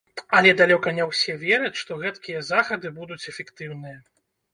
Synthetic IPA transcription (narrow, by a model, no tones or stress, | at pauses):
ɐlʲɛd̪alʲɔkɐnʲɛwsʲɛvʲɛɾɐt͡sʲʂt̪ɔɣɛt̪kʲijɐzaxɐd̪ɨbud̪ut͡sʲɛfʲɛkt̪ɨwnɨjɐ